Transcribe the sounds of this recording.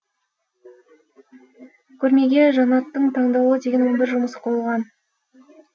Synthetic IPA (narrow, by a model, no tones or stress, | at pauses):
kʲʰɵɾme̞ɡʲe̞ʒɑnɑt̪ːəɴt̪ʰɑɴd̪ɑwəd̪e̞ɡʲenwonbɪɾʒʊməsə̥qʰojəlˠʁɑn